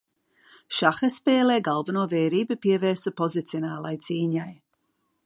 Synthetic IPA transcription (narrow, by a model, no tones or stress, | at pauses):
ʃaxəspɛːlɛːɡalˠvənɔːvɛːɾiːbəpiəvɛːɾsəpʰɔzɪt̪t͡sjɔnaːlˠajt͡siːnaj